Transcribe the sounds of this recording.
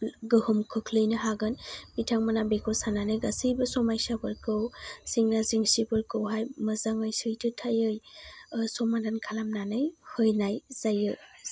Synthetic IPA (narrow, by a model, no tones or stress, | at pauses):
ɡɯhɯmkʰɯkʰlɯjnɯɦaɡɯnbitʰaŋmanabekʰɔsananɯjɡasijbɯsɔmajsabɯɾkɯwsiŋnaziŋsibɯɾkɯwɦajmɯzaŋɯjsɯjtʰɯtʰajɯj | sɔmadankʰalamnanɯjhɯjnajz̥ajɯ